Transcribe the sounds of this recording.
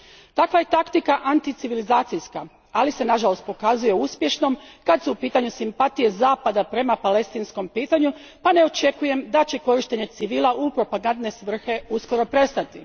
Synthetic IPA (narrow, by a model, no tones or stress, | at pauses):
t̪akʋaje̞t̪akt̪ikaʔant̪it̪siʋilizaːt̪ijska | alise̞naʒalo̞st̪̚po̞kazuje̞uspje̞ʃno̞mkad̪suːpiːt̪aɲusimpat̪ije̞zaːpad̪apɾe̞mapale̞st̪insko̞mpiːt̪aɲu | pane̞o̞t͡ʃe̞kuje̞md̪at͡ɕe̞ko̞ɾiʃt̪e̞ɲe̞t̪siʋiːlˠaʔupɾo̞paɡand̪ne̞sʋr̩xe̞usko̞ɾo̞pɾe̞st̪at̪i